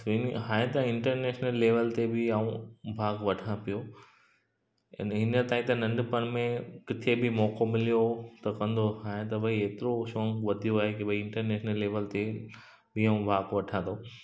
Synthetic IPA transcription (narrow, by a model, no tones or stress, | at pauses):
ʋiːnɦaːɦẽt̪ɐɪ̃ɳʈəɾneːʃnəlːeːʋəlt̪ebɪaːũbʱaːɡʋɐʈʰãpijo | nɦɪnət̪aːĩt̪ɐnɐ̃ɳɖpɐnmẽkɪt̪ʰebʱɪmɔːkomɪlijot̪ɐkɐ̃nd̪ʱoɦaːɦẽt̪ɐbɐieːt̪ɪɾoʃoːŋɡʋɐd̪ʱijoaːɦekibɐiɪ̃ɳʈəɾneːʃnəlːeːʋəlt̪e | bʱiaːũbʱaːɡʋɐʈʰãːnd̪oː